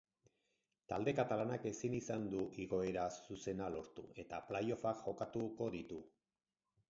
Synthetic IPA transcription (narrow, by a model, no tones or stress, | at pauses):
t̪ald̪e̞kat̪alanake̞sinisand̪uʔiɣo̞e̞ɾasuse̞nalo̞ɾt̪ue̞t̪aplajo̞fakʝo̞kat̪uko̞ðit̪u